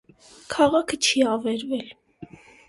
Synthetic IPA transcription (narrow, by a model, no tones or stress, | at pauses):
kʰɑʁɑkʰət͡ʃʰiɑvɛɾvɛl